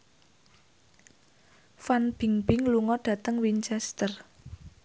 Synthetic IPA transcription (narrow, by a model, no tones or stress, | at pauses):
fanb̥i̤ŋb̥ɪŋluŋɔɖ̥ä̤t̪əŋwint͡ʃɛst̪ər